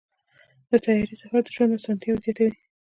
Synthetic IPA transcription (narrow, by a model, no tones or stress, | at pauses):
d̪ət̪ɑjɑɾisafad̪əʒwand̪asɑnt̪jɑwzjɑt̪awi